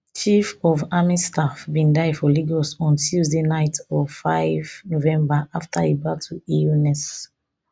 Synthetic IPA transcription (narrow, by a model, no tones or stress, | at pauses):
t͡ʃifɔvamistafbĩndaɪfɔliɡɔsɔ̃ntʰuzdenaɪtɔfaɪvnovɛ̃mbaʔaftʰaebatʰuilnɛs